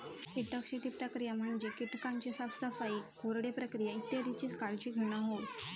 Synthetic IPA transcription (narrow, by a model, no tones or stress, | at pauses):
kiʈəkɕet̪ipɾəkɾijam̤əɳd͡ʑekiʈkaɲt͡ɕesabsəfaikoɾɽepɾəkɾijait̪ːjeɾit͡ɕiːskaɭt͡ɕiːɡʱəɽ̃aɦoj